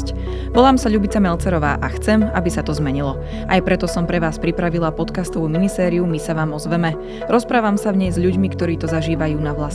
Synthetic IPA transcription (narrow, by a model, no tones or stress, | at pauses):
c | ʋɔlaːmsaʎubit͡samɛlt͡sɛɾɔʋa̰ːʔaxt͡sɛmabisat̪ɔzmɛɲilɔ | ʔajpɾɛt̪ɔsɔmpɾɛʋaːspɾipɾaʋilapɔt̪kast̪ɔʋuːminisɛːɾiumisaʋaːmɔzʋɛmɛ | ɾɔspɾaːʋamsavɲɛjzʎuɟmikt̪ɔɾiːt̪ɔzaʒiːʋajuːnaʋlas